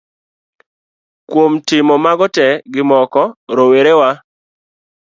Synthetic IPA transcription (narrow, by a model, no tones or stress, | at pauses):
kwomtɪmɔmaɡɔtɛɡɪmɔkɔɾoweɾewa